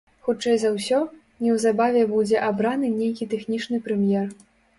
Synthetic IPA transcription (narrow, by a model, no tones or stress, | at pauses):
xut͡ʂɛjzɐwsʲɔ | nʲɛwzabavʲɛbud͡zʲɛʔabɾanɨnʲejkʲit̪ɛxnʲit͡ʂnɨpɾɛmʲjɛr